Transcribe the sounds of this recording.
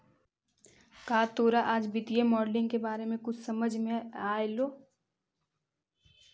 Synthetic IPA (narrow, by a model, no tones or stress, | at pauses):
kaːt̪oːɾaʔaːd͡ʒbɪt̪ijemɔːɖlɪ̃ŋɡkebaːɾemẽkʊt͡ʃʰsɐməd͡ʒʱmẽaːeloː